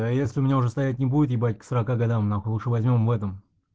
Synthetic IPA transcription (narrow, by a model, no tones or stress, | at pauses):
jesʲlʲɪʊmʲɪnʲaʊʐɛst̪ɐjæt̬̚ʲnʲɪbudɪt̪jɪbat̚ʲksəɾɐkaɡɐd̪amnaxlˠuʂɨvɐzʲmʲo̞mvɛt̪əm